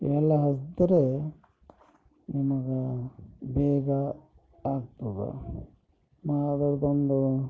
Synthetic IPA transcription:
ʋɛlːɐɦɐsd̪ɐɾe | nimɐɡe | bɛːɡɐ | aːɡ̚t̪uɡa̰ | maɐd̪ɐɾb̪ond̪u

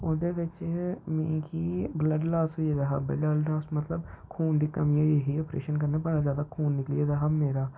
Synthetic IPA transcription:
oːd̪eːʋɪt͡ʃmɛ̃ːkiːbləɖlaːsɦoːieːd̪aːɦa̰ːbə̰ɖalɖaːsmət̪ləbkʰuːnd̪iːkəmiːoːieɦiːoːpɾḛːʃənk̬əɾneːbəɽaːzjaːd̪aːkʰuːnːɪklieːd̪aːɦaːmeːɾaː

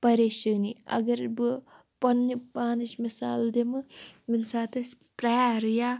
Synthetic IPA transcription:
pɐɾeːʃɐːniɐ̰ɡɐɾbɨ | pɐnːipaːniʃmisa̰ːld̪emɨmɨnsaːt̪ɐs | pɾaːɾja

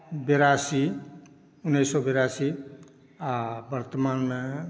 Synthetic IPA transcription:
beɾasi | unːejsɔbeɾasi | abəɾt̪əmanme

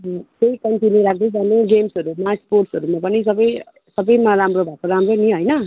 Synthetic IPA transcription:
k̪eikʌnt̪iniɾak̚ʰd̪ed͡zaneɡemsɦʌɾumasporʈsɦʌɾumapʌnisʌbʌj | sʌbʌjmaɾamrobʱakoɾamroniɦojnʌ

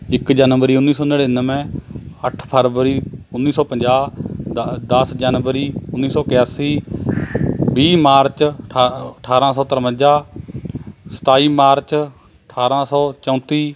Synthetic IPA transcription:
ɪkd͡ʒaːnʋəɾiːʊnːiːsɔːneɽenəmɛ̃ːəʈʰpʰəɾʋəɾiːʊnːiːsɔːpəɲd͡ʒaː | d̪əsd͡ʒaːnʋəɾiːʊnːiːsɔːkɪjaːsiː | biːmaːɾt͡ʃː | əʈʰaːɾãːsɔːt̪əɾəmə̃d͡ʒaː | sə̥t̪aːiːmaːɾt͡ʃ | əʈʰaːɾãːsɔːt͡ʃə̃ːt̪iː

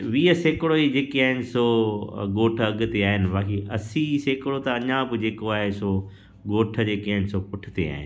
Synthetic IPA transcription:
ʋiːəseːkɪɽoid͡ʑeːkiaːɦɪnɪ̆soɠoːʈʰɐɠʊ̆t̪eaːɦɪnɪ̆ʋaːkʰiʔɐ̰siseːkɪɽot̪ɐɐɲãbɪd͡ʑeːkoaːɦeso | ɡoːʈʰə̆d͡ʑeːkiaːɦɪnɪ̆sopʊʈʰɪ̥t̪ea̰ːɦɪ̰nɪ

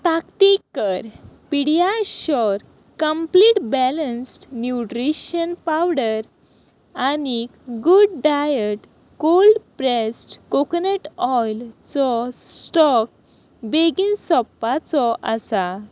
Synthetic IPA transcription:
t̪akt̪ikːəɾpiɽjaɕɔɾ | kəmpliʈbɛlənsʈnjuʈɾiɕənpawɽəɾ | aniɡuɖɖajəʈ | kolɖpɾesʈkokneʈɔjlt͡sɔssʈɔk̚ | beɡinsɔpːat͡sɔʔəsa

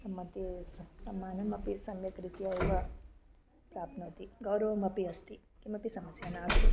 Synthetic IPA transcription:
sɐmːɐt̪issɐmːaːnɐmɐpisɐmjɐkɾit̪ijajʋɐ | pɾaːp̪̚nɐt̪iɡɐwɾɐʋɐmɐpiɐst̪i | kimɐpisɐmɐsjaːnaːst̪i

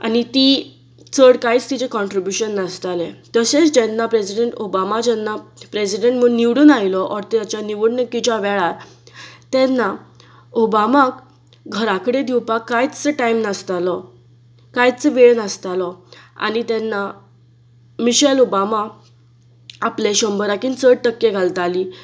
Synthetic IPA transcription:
a̰nit̪i | t͡səɽkait͡st̪id͡ʑekɔɳʈɾibjuɕənːəst̪alet̪əset͡sd͡ʑɛnːapɾesiɖeɳʈobamad͡ʑɛnːapɾesiɖẽɳʈm̤əniʋɽuːnajlɔʔɔɾt̪at͡ɕjaniʋəɽnəkit͡ɕaʋɛɭaɾ | t̪ɛnːa | obamak | ɡʱəɾakəɽed̪iwpakːajt͡st͡səʈaimnəst̪alɔ | kajt͡səʋeɭnast̪alɔa̰nit̪ɛnːa | miɕɛlobama | apleɕəmbəɾakiːnt͡səɽʈəkːeɡʱalt̪ali

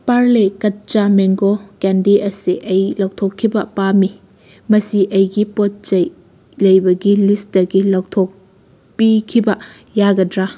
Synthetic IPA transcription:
paɾlekɐt̚t͡ʃameŋɡokɛndiʔɐsiʔɐjlɐw̚tʰɔkʰːibɐpami | mɐsiʔɐjɡipot̚t͡ʃɐj | lɐjbɐɡilistɐɡilɐwtʰɔk̚ | pikʰibɐ | jaɡɐdɾa

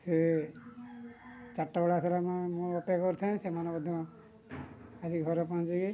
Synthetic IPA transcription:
se | t͡ʃaʈːaɔɽaselamamũɔpkɔɾt̪ʰaẽsemanɔbɔd̪ʱɔ̃ | ad͡ʒiɡʱɔɾɔpɔ̃d͡ʒiki

